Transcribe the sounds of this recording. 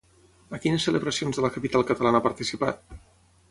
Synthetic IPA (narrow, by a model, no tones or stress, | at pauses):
əkinəsːələβɾəsionzðələkəpit̪alˠkət̪əlanəapəɾt̪isipat̪̚